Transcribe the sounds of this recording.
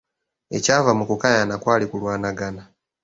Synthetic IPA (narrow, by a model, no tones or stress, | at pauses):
e̞caːvamukukajanakwaːlikulwaːnaɡana